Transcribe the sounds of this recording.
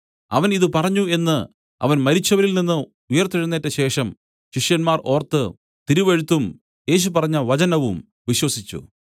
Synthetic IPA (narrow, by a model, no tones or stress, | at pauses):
ɐ̰ʋɐniðɨpɐrɐɲːue̞nːɨ | ɐ̰ʋɐnmɐɾit͡ɕːɐʋɐɾilninːɨ | ujɐrt̪ːiɻunːetːeɕe̞ːʂɐm | ɕiʂjɐnmaːro̞ːrt̪ːɨ | t̪iɾuʋeɻut̪ːum | je̞ːɕ̬upɐrɐɲːɐʋɐt͡ɕɐnɐʋum | ʋiɕwɐsit͡ɕːṵ